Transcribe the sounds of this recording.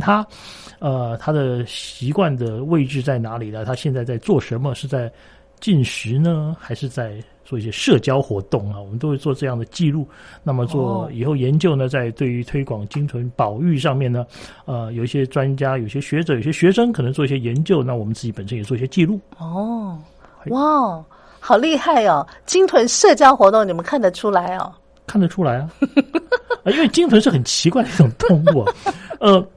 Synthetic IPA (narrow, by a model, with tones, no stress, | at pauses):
t̪ʰa˥ | ə˧t̪ʰa˥d̪ə˨ɕi˧˥kwa˥˩nd̪ə˩we˥˧ɪʈ͡ʂɻ̩˥˧t͡sa˥˩ɪna˧˥li˨˩nə˦t̪ʰa˥ɕjɛ˥˧nt͡sa˥˧ɪt͡sa˥˧ɪt͡swɔ˥˩ʂə˧˥nmə˧ʂɻ̩˥˧t͡sa˥˧ɪ | t͡ɕi˥˩nɕɻ̩˧˥nə˧xa˧˥ɪʂɻ̩˥˧t͡sa˥˧ɪ | t͡swɔ˥˩i˥˩ɕjɛ˥ʂɤ˥˩t͡ɕjɑ˥ʊxwɔ˧˥t̪ʊ˥˩ŋɐ˩wɔ˨˩mə˦nt̪o˥ʊxwe˥˧ɪt͡swɔ˥˧ʈ͡ʂɤ˥˧jɑ˥˩ŋd̪ə˩t͡ɕi˥˧lu˥˩na˥˩mə˩t͡swɔ˥˩i˨˩xo˥˩ʊjɛ˧˥nt͡ɕjo˥˩ʊnə˩t͡sa˥˧ɪt̪we˥˩ɪy˧˥t̪ʰwe˥ɪkwɑ˨˩ŋt͡ɕi˥ŋʈ͡ʂʰwə˧˥npɑ˨˩ʊy˥˧ʂɑ˥˧ŋmjɛ˥˩nnə˩ | ə˧jo˨˩ʊi˥˩ɕjɛ˥ʈ͡ʂwa˥nt͡ɕja˥jo˨˩ʊi˧˩ɕjɛ˥ɕɥɛ˧˥ʈ͡ʂɤ˧˥jo˨˩ɕjɛ˥ɕɥɛ˧˥ʂɤ˥ŋkʰɤ˨˩nɤ˧˥ŋt͡swɔ˥˧i˥ɕjɛ˥˧jɛ˧˥nt͡ɕjo˥˧ʊna˥˩wɔ˨˩mə˦nt͡sɹ̩˥˩t͡ɕi˧˥pə˨˩nʂə˥njɛ˨˩t͡swɔ˩i˥˩ɕʲjɛ˥t͡ɕi˥˧lu˥˩ɔ˥˩˥ | wa˥˩ | xɑ˨˩ʊli˥˧xa˥˩ɪɐ˨˩t͡ɕi˥ŋt̪ʰwə˧˥nʂɤ˥˩t͡ɕjɑ˥ʊxwɔ˧˥t̪ʊ˥˩ŋni˨˩mə˧˦nkʰa˥˩nd̪ə˩ʈ͡ʂʰu˥la˧˥ɪɐ̰˧˩ | kʰa˥˩nd̪ə˩ʈ͡ʂʰu˥la˧˥ɪɐ˧ | ə˧˦i˥nwɪt͡ɕi˥ŋt̪ʰwə˧˥nʂɻ̩˥˩xə˨˩nt͡ɕʰi˧˥kwa˥˩ɪd̪ə˩˧˥ʊ˨˩ŋt̪ʰʊ˥˧ŋkwɔ˥˩ə˥˧